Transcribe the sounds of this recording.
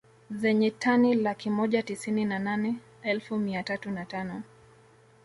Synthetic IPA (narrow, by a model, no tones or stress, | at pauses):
zɛɲɛtanilakimɔʄatisininananɛ | ɛlfumiatatunatanɔ